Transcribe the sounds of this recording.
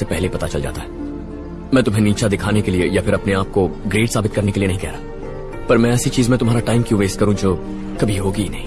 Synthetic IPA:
sepɛɦlepɐt̪at͡ʃɐld͡ʒa̰ːt̪aɦɛː | mɛ̃ːt̪ʊmɦeniːt͡ʃad̪ɪkʰaːnekeliejafʰɪɾɐpneaːp̚koɡɾeːʈsaːbɪt̪̚kɐɾnekelienɐɦĩkɛɦɾaː | pɐɾmɛ̃ɛːsit͡ʃiːzmẽt̪ʊmɦaːɾaʈaːɪmkjũʋeːskɐɾũd͡ʒoː | kɐbʱiɦoːɡinɐɦĩː

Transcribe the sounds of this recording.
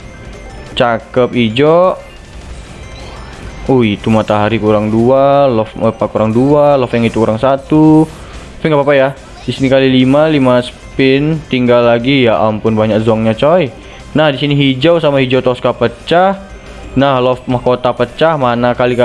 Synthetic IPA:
t͡ʃakəp̚id͡ʒɔ | uit̪umat̪aɦaɾikuɾaŋdualɔfəpakuɾaŋdualɔfjaŋit̪ukuɾaŋsat̪u | pɛnŋɡapapaja | disinikalilimalimasə̥pɪnt̪iŋɡalːaɡijaʔampʊnbaɲak̚zɔŋɲat͡ʃɔj | nahdisiniɦid͡ʒawsamaɦid͡ʒot̪ɔskapət͡ʃah | nahlɔfmahkot̪apət͡ʃahmanakalika

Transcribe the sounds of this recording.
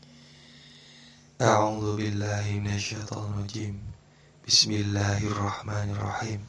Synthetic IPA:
ʔaʕuːðʊbɪlːaːhɪmɪnaʃːajt̪ˤɑːnɪɾˤɑd͡ʒiːm | b̥ɪsmɪlːaːhʔɑrˤːɑħmaːnɑrˤːɑ̰ħiːm

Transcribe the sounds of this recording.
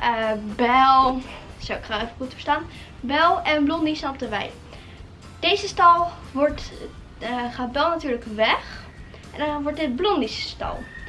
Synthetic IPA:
əbɛlˠsowɪkχaejfəχutfə̥ɹstaːn | bɛlˠɛnblɔndisnɑp̚təʋɛ̰j | d̥ejzəstɑlˠ | ʋɔɹt | χaːt̚bɛlˠnatyːɹləkʋɛχ | ʔɛndɑnʋɔɹtɪt̚blɔndisə̥stɑ̰lˠ

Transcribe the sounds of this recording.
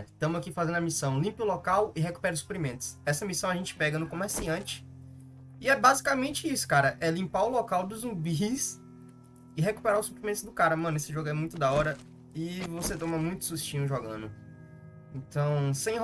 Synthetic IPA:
t̪ɐ̃mʊakifazẽd̪ʊɐmisɐ̃w̃lĩpɪʊlɔkawɪɦeku̥pɛɾʊsu̥pɾimẽnt̪ʊ̥sɛsɐmisɐ̃w̃ɐʒẽt͡ʃɪ̥pɛɡɐnʊkõmeɾsiɐ̃nt͡ʃɪ̥ | ɪɛbazikamẽnt͡ʃɪisʊ̥kaɾɐʔɛlĩmpaʊlɔkawd̪ʊzũbis | ɪɦeku̥pɛɾaʊsu̥pɾimẽt̪ʊzd̪ʊkaɾɐmɐ̃nesɪʒoɡʊɛmũj̃t̪ʊd̪aɔɾɐ | ɪvoset̪õmɐmũj̃t̪ʊ̥sust͡ʃĩɲʊʒɔɡɐ̰̃nʊ | ẽt̪ɐ̃w̃sẽj̃

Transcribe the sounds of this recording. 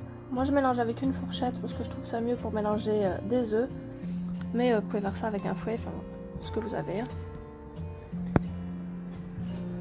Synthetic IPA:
mwaʒəmelɑ̃ʒavɛkynfɔʁʃɛt̪paʁsə̥kəʒət̪χuvsamjøpuʁmelɑ̃ʒeød̪ezø | mɛøvupuvevwaʁsaːvɛkɛ̰̃fwɛ̃fɛ̰̃ | sə̥kəvuza̰veɛ̃

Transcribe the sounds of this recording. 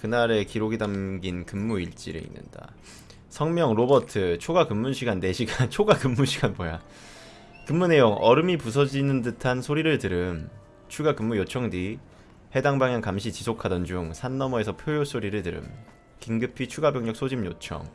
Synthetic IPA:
kɯnaɾe̞kiɾoɡidamɡinkɯmːuiɭt͡ɕ͈iɾḛḭnːɯ̰nda̰ | sʰʌŋmjʌŋɾobʌtʰɯt͡ɕʰoɡakɯmːunɕʰiɡanːe̞ɕʰiɡant͡ɕʰoɡakɯmːuɕʰiɡanmoja | kɯmːune̞joŋʌɾɯmipusʰʌd͡ʑinɯndɯtʰansʰoɾiɾɯɭtɯɾɯm | t͡ɕʰuɡakɯmːujot͡ɕʰʌŋdi | he̞daŋbaŋjaŋkamɕʰit͡ɕisʰokʰadʌnd͡ʑuŋsʰanːʌmʌe̞sʰʌpʰjojos͈ʰoɾiɾɯɭtɯɾɯ̰m | kiŋɡɯpʰit͡ɕʰuɡabjʌŋɲʌk̚s͈ʰod͡ʑimjot͡ɕʰʌ̰ŋ

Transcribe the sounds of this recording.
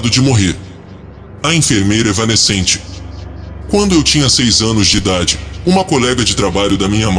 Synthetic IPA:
d̪ʊd͡ʒɪmoɦeɾ | ɐĩfeɾmejɾɐɛvɐnesẽnt͡ʃɪ̥ | kwɐ̃nd̪ʊewt͡ʃĩɲɐsejzɐ̃nʊzd͡ʒɪid̪ad͡ʒɪũmɐkolɛɡɐd͡ʒɪt̪ɾabaʎʊd̪ɐmĩɲɐm

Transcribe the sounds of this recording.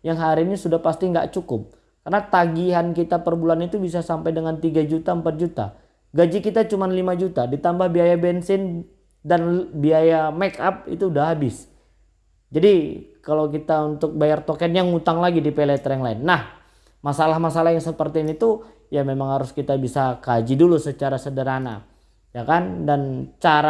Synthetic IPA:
jaŋɦaɾiːnisudahpast̪iŋɡa̰ʔt͡ʃukʊp̚ | karnat̪aɡiɦankit̪apərbulanit̪ubis̬asampajdəŋant̪iɡad͡ʒut̪aəmpat̪̚d͡ʒut̪a̰ | ɡad͡ʒikit̪at͡ʃumanlimad͡ʒut̪adit̪ambahbiajabɛnsɪn | danbiajamɛkap̚ḭt̪uːdahɦabɪs | d͡ʒadikalawk̬it̪aunt̪ʊk̚bajart̪okɛnjaŋut̪aŋlaɡidipelɛt̪əɾɛŋlaɪnːah | masalahmasalahjaŋsəpərt̪iːnit̪u | jamemaŋhaɾʊskit̪abisakad͡ʒidulusət͡ʃaɾasədəɾana̰ | jakandant͡ʃaɾa

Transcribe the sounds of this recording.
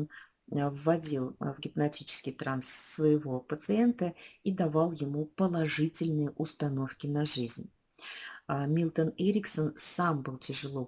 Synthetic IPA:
n | vːɐdʲilˠvɡʲɪpnɐtʲit͡ɕɪ̥skʲɪjt̪ɾansːvəjɪvo̞pət̪sɨe̞nt̪əid̪ɐvɑlˠjɪmupəlˠɐʐɨtʲɪlʲnɨjəʔʊst̪ɐno̞fkʲɪnɐʐɨzʲnʲ | mʲilˠt̪əneɾʲɪksənsambɨlˠtʲɪʐɨlˠo̞

